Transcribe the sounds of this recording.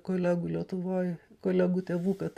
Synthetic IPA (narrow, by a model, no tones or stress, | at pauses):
koːlʲæːɡuːlʲiɛt̪ʊʋoːjkoːlʲæɡuːt̪ʲeːʋuːkɐt̪